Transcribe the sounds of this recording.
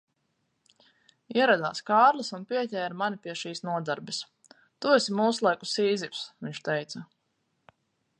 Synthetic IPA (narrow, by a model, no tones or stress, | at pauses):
iɛɾad̪a̰ːskaːɾlˠasunpiɛt̪ʲɛːɾmanʲipiɛʃiːsnuɔd̪aɾbɛs | t̪uesimuːslˠajkusiːzipsviɲt͡ʃt̪ɛjt̪sɐ